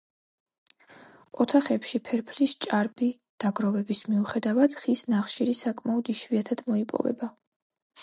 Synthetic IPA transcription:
ɔt̪ʰaχɛpʃipʰɛɾpʰlist͡ʃʼaɾbi | d̪̥aɡɾɔvɛbismiuχɛd̪avad̪̥χisnaχʃiɾisakʼmaɔd̪iʃviat̪ʰad̪̥mɔipʼɔ̰vɛ̰ba

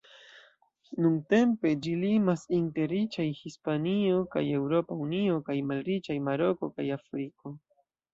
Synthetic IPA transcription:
nuŋte̞mpe̞d͡ʒilimasinte̞ɾit͡ʃajhispanio̞ka̰je̞wɾo̞paunio̞kajmalɾit͡ʃajmaɾo̞ko̞kajafɾiko̞

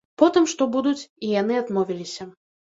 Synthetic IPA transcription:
pɔt̪ɨmʂt̪ɔbud̪ut͡sʲijanɨad̪mɔvʲilʲisʲɐ

